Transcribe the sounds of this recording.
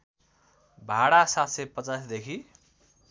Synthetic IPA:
bʱaɽasat̪ʰsepʌt͡sasd̪ekʰi

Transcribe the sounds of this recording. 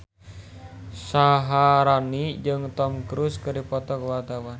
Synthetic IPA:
saɦaɾanid͡ʒɨŋt̪ɔmkɾuskɨɾipɔt̪ɔkəwart̪awan

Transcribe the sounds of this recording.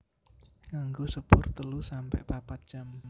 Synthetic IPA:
kaŋɡosəpʊrt̪əlusampɛ̰ʔpapat̪̚d͡ʒ̥am

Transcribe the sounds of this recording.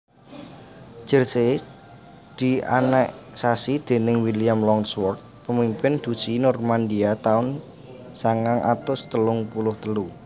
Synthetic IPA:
d͡ʒ̥ə̤rse | d̪̥i̤a̰nɛʔsasid̪̥e̤nɪŋwiliamlɔŋswɔrt̪̚pəmimpɪnd̪̥ṳ̥sinɔrmand̪iat̪aʊn | saŋaŋʔa̰t̪ʊst̪əlʊŋpulʊht̪əlu

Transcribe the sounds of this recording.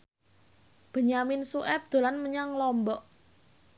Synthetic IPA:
b̥ə̤ɲamɪnsuʔɛp̚d̪̥o̤lanməɲaŋlɔmbɔʔ

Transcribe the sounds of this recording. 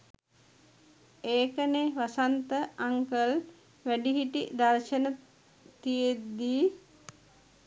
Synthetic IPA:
eːkəneʋasant̪əaŋkəl | ʋæɖiɦiʈḭd̪aɾʃənə | t̪ijed̪ːiː

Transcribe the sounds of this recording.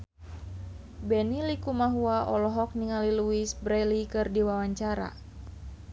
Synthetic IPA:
bɛnilikumaɦuaʔɔlɔɦɔk̚niŋaliluisbɾɛlikɨrdiwawaɲt͡ʃaɾa̰

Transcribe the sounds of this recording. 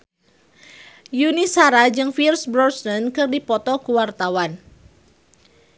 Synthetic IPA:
junisaɾad͡ʒɨŋfirsbɾɔrsnənkɨrdipɔt̪ɔkuwart̪awan

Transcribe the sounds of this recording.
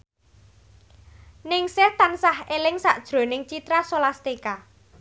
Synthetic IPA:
nɪŋsɪht̪ansahelɪŋsaʔd̥ʒ̥ɾo̤nɪŋt͡ʃit̪ɾasolast̪eka

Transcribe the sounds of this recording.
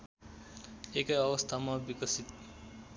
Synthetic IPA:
ekʌjʌbʌst̪ʰamabikʌsit̪

